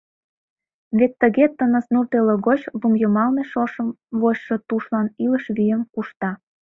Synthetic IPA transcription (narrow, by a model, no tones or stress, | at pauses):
βet̪ːəɣet̪ənə̆snurt̪eləɣot͡ɕβumjomɑlneʃoʃəm | βoɕʃot̪uʃlɑniləʃβyjəmkuʃt̪ɑ